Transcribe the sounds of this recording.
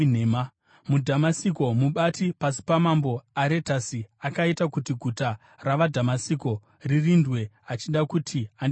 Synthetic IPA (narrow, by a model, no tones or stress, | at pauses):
nema | mudʱamasiko̞muɓatipasi̥pamambo̞aɾe̞tasiakaitakutiɡʱuta | raʋadʱamasiko̞ | ririndwe̞ | at͡ʃindakutʰiand